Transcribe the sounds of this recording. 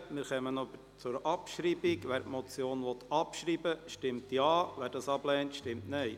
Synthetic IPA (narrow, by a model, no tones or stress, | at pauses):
mɪɾχɛmənɔbəɾt͡sʊɾʔɑpʃɾiːbɪɡʋæːɾtmɔt͡sjoːnʋɔt̪ʰːɑpʃɾiːbəʃtɪmtjɑːvæːɾdɑsɑblɛːntʃtɪmtnœɪ